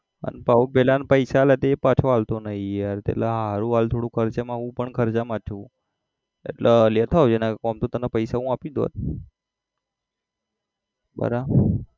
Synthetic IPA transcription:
ə̰npaobelanpəjsalet̪eepat͡ʃʰoalt̪onəɦĩjaɾt̪ḛlaɦaɾũɦalt̪ʰoɽũkʰəɾt͡ʃamãɦũpəɳkʰəɾt͡ʃamãt͡ʃʰũ | ḛʈləlet̪ʰawd͡ʒenakɔmt̪ut̪ənapəjsaɦũapid̪o̰t̪̚ | bə̰ɾa

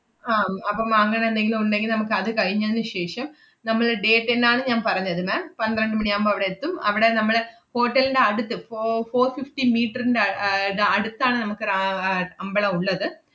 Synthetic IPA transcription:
aːɐpːɐmɐŋːɐneend̪e̞ŋɡiluuɳɖe̞ŋɡilnɐmukːɨɐðɨkɐɻiɲːɐnːɨɕe̞ːʂɐm | nɐmːɐɭɖe̞ːʈːenːaːɳɨɲaːnpɐrɐɲːɐðɨmeːmpɐnd̪ɾɐɳɖɨmɐɳijaːmbɐɐʋiɽeːt̪ːumɐ̰ʋiɽe̞nɐmːɐɭho̞ːʈːɐlinɖe̞ɐɽut̪ːɨfofo̞ːrfifʈimiːʈːɐrinɖeðeɐɽut̪ːaːɳɨnɐmukːɨɐɐmbɐɭɐuɭːɐðɨ

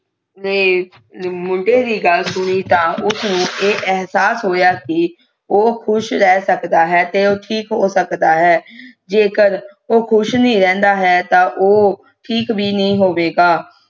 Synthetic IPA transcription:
neː | mʊɳɖeːd̪iːɡəlsʊñiːt̪ãːʔʊsnũːʔeːʔɛɦsaːsɦoːjaːkɪ | oːkʰʊʃɾɛːsəkd̪aːɦɛːt̪eːoːʈʰiːkɦoːsəkd̪aːɦɛːd͡ʒeːkəɾoːkʰʊʃnĩːɾɛ̃ːnd̪aːɦɛːt̪ãːʔoː | ʈʰiːkbiːnəĩːɦoːʋeːɡaː

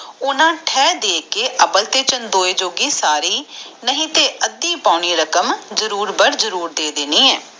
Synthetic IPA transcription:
ʊnãːʈʰɛːd̪eːkeːʔəpəlt̪eːt͡ʃənd̪oːeːd͡ʒoːɡiːsaːɾiːnəɦĩːt̪eːʔəd̪ːiːpaːʊniːɾəkəmzəɾuːɾbəɾzəɾuːɾd̪eːd̪eniːɛː

